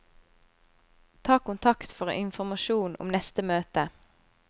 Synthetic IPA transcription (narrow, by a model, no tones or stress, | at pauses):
t̪ʰɑːkʊnt̪ʰɑkt̪fɔʁɪnfɔʁmɑʃuːnʔʊ̰mnɛst̪əmøːt̪ə